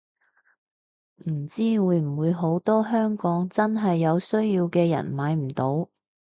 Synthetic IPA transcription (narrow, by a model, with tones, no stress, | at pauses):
m̩˨˩t͡siː˥wuː˨˧jm̩˨˩wuː˨˧jɦo˨˥wt̪ɔː˥ɦœː˥ŋkɔː˨˥ŋt͡sɐ˥nɦɐ˨jːɐ˨˧wsɵ˥ɥjiː˧wkɛː˧jɐ̰˨˩nmaː˨˧˥jm̩˨˩t̪o˨˥w